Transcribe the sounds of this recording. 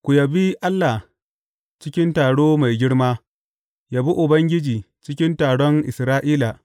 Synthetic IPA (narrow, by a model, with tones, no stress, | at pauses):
kʷʊ˨jɐ˨bi˦ʔa˦lːa˨ | t͡ʃɪ˦kʲɪ˦ntaː˨ɽoː˦ma˨jɡʲɪ˦ɽmaː˦ | jaː˦bu˦ʔʊ˨bɐ˦ŋɡʲɪ˦d͡ʒiː˨ | t͡ʃɪ˦kʲɪ˦ntaː˨ɽɔ˦ŋʔɪ̰˨sɾaː˦ʔiː˦la˨